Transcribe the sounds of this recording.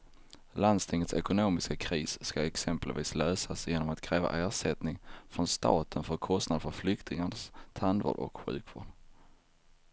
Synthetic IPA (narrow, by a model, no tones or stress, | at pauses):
land̪st̪ʰɪŋːət̪sɛkʊnoːmɪskakʰɾiːsskaɛksɛmpəlvḭːsløːsasjeːnɔmat̪kʰɾɛːva̰ʔæːʂɛt̪nɪŋfɾɔnst̪ɑ̰ːt̪ʰənfœɾkʰɔst̪nad̪əfœɾflʏkt̪ɪŋaɳəst̪ʰand̪vo̰ːɖɔ̰kɧʉ̟ːkʰvoːɖ